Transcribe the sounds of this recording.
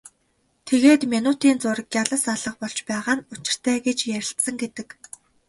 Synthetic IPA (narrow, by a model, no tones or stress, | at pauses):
t̪ʰeɣeːt̪mʲinut̪iːnt͡sʊrkʲjaɮə̆saɮə̆χpɔɮt͡ɕpæːʁaːnʊt͡ɕɪ̆r̥t̪ʰæːɡet͡ɕjæɾʲɪ̆ɬt̪sə̆ŋɡet̪ɘ̆k